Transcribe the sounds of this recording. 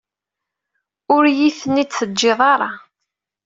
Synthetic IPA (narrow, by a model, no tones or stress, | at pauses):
ʊɾjiθənːit͡sθəd͡ʒːɪðˤɑɾˤɑ